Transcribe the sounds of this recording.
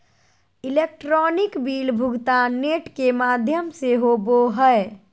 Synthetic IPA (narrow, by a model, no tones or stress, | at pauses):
ilek̚ʈɾɔːnɪkbiːlbʱʊɡt̪aneʈkemaːd̪ʱjəmseɦoboɦəe